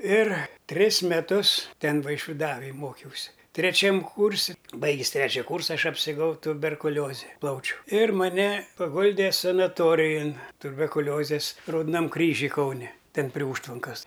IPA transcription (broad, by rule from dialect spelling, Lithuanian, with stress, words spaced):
ɪr ˈtʲrʲɪs mʲɛˈtʊs ˈtʲɛn ʋɐɪʃʲʋʲɪˈdɑːʋɐj ˈmoːkʲɛʊsʲɪ tʲrʲɛˈt͡ʃʲɛm ˈkuːrʲsʲɪ ˈbɐɪɡʲɪs ˈtʲrʲæːt͡ʃʲɛ ˈkuːrsɐ ˈɐʃ ɐpʲsʲɪrˈɡɐʊ tʊbʲɛrkʊˈlʲoːzʲɛ ˈplˠɐʊt͡ʃʲuː ɪr mɐˈnʲɛ pɐˈɡʊlʲdʲeː sɐnɐˈtoːrʲɪjoːn tʊbʲɛrkʊˈlʲoːzʲeːs rɐʊdoːˈnɐm ˈkrʲiːʒʲʊj ˈkɐʊnʲɛ ˈtʲɛn pʲrʲiɛ ˈuːʃtʋɐŋkɐs